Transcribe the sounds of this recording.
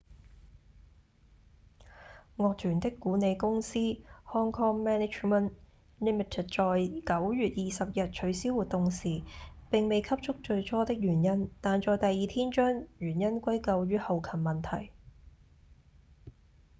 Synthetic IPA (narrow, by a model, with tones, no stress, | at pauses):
ŋɔː˨˧k̚t̪ʰyː˨˩nt̪ɪ˥kːuː˨˥ne˨˧jkʊ˥ŋsiː˥hɔː˥ŋkʰɔː˥ŋmɛː˥nɪ˨˥t͡ʃmə˨n | li˥mi˨t̪ʰe˨˩t̚t͡ʃɔː˨jkɐ˨˥wɥyː˨t̚jiː˨sɐ˨p̚jɐ˨t̚t͡ʃʰɵ˨˥ɥsi˥wuː˨t̪ʊ˨ŋsiː˨˩pɪ˨ŋme˨jkʰɐ˥p̚t͡ʃʰʊ˥k̚t͡ʃɵ˧ɥt͡ʃʰɔː˥t̪ɪ˥k̚jyː˨˩njɐ˥nt̪aː˨nt͡ʃɔː˨jt̪ɐ˨jːiː˨t̪ʰiː˥nt͡ʃœː˥ŋɥyː˨˩njɐ˥nkʷɐ˥jkɐ˧wjyː˥hɐ˨˧wkʰɐ˨˩mmɐ˨˩nt̪ʰɐ˨˩j